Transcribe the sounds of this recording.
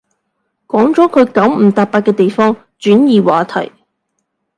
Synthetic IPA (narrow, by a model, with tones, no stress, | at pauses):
kɔː˨˥ŋt͡sɔː˨˥kʰɵ˨˧ɥkɐ˨˥wm̩˨˩t̪aː˨˩k̚paː˧t̚kːɛː˧t̪e˨jfɔː˥ŋ | t͡ʃyː˨˥njiː˨waː˨˧t̪ʰɐ̰˨˩j